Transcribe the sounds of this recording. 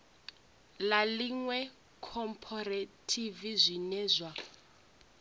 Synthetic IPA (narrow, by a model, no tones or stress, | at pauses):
laliŋwɛ | kʰɔmpʰɔratʰivizʷinɛːzʷwa